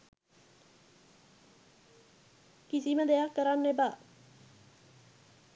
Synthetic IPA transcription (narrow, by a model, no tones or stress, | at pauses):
kisimãd̪ejakəɾanːebaː